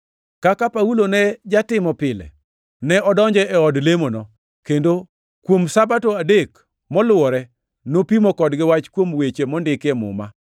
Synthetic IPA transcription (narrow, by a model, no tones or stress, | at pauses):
kakapaulonɛd͡ʒatɪmɔpɪlɛ̰ | nɛʔɔdɔɲd͡ʒɛɛɔdlemonɔ | kendo | kwomsabatoadek | mɔlʊɔɾɛ | nopimɔkɔdɡɪwat͡ʃkwomwet͡ʃemɔndɪkɛmʊ̰ma